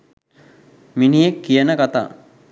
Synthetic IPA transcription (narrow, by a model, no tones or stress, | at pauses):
minijekːijənəkat̪a̰ː